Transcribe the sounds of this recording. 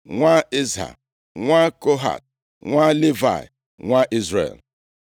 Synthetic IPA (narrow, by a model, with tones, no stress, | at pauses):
ŋʷa˦ɪ˦zɦa̰˨ | ŋʷa˦ko˦ɦa̰˨t̚ | ŋʷa˦le˦va̰˨ɪ̰˨ | ŋʷa˦ʔi˦zɾḛ˨l